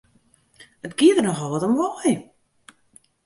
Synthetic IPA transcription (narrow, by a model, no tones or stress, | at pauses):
ətɡ̥iətərnɔxɔlˠʋɔtəmʋɔj